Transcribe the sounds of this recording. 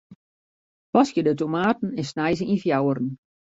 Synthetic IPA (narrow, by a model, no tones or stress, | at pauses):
pɑsjədətomaːtn̩ɛnsnajzəŋinfjawərən̩